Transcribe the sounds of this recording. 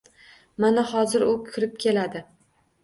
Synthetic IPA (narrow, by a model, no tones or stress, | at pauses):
manahɒzɪɾʊkʲʰɪɾɪp̚kʲʰe̞lad̪ɪ